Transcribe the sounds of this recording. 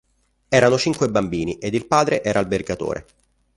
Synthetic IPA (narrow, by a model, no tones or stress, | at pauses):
ɛːɾanot͡ʃiŋkwebambiːniʔed̪ilpaːd̪ɾeʔɛːɾʔaːlberɡat̪o̰ːɾḛ